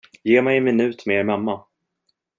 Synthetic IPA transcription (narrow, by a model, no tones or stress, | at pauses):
jeːmajɛnmɪnʉ̟ːt̪meɾmamːa